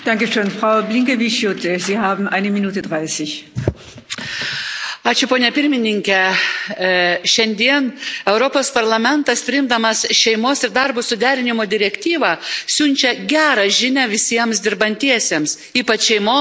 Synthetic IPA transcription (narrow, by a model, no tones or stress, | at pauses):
d̥aŋkəʃøːnfʁ̥aʊblɪŋkevɪʃjotəziːhaːbm̩ʔaɪnəminuːtədʁaɪsɪç | ɑːt͡ʃʲʊpoːnʲɛpʲɪɾʲmʲɪnʲɪŋʲkʲɛ | ʃʲɛnʲd̪ʲiɛnɛʊɾopoːspɐɾlˠɐmʲɛnt̪ɐspʲɾʲɪɪmd̪ɐmɐsʃʲɛɪmoːsɪɾd̪ɐɾbʊsʊd̪ʲæːɾʲɪnʲɪmoːd̪ʲɪɾʲɛkt̪ʲiːʋɑːsʲʊnʲt͡ʃʲɛɡʲæːɾɑːʒʲɪnʲæʋʲɪsʲiɛmsd̪ʲɪɾbɐnʲt̪ʲiɛsʲeːms | iːpɐt͡ʃʃʲɛɪmoː